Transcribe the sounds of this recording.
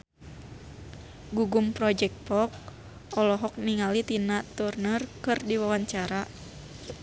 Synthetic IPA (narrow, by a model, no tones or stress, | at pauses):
ɡuɡumpɾɔd͡ʒɛk̚t̪̚pɔk̚ | ɔlɔɦɔk̚niŋalit̪inaʔt̪urnərkɨrdiwawaɲt͡ʃaɾa